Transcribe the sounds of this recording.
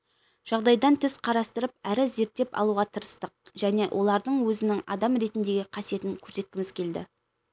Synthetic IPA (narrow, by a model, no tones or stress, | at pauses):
ʒ̥ɑʁd̪ɑjd̪ɑnt̪ʰɪzqʰɑɾɑst̪əɾəp̚æɾɪze̞ɾt̪ːe̞pɑ̰lˠuʁɑt̪ʰəɾəst̪əq̚ʒ̥æne̞ʔwʔo̞lˠɑɾd̪əɴwɵzɪnɪŋɑ̰d̪ɑmɾe̞t̪ɪnd̪e̞ɡʲɪqʰɑsije̞t̪ɪŋkʲʰɵɾse̞t̪̚kʲɪmɪz̥kʲʰe̞ld̪ɪ̰